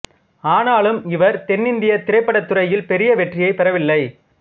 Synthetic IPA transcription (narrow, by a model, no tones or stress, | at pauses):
aːnaːlɯmɪʋɐɾt̪ɛnːɪnd̪ɪjɐt̪ɪɾɐɪpːɐɽɐt̪ːɯɾɐjɪlpɛɾɪjɐʋɛʈrɪjɐɪpɛɾɐʋɪlːɐɪ